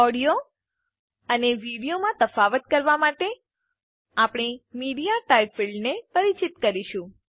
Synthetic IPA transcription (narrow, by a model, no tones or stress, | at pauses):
ɔɽijo | əneʋiɽijomãt̪əfaʋət̪kəɾʋamaʈe | apɽ̃emiɽijaʈaipfiɭɖnepəɾit͡ʃit̪kəɾiʃũ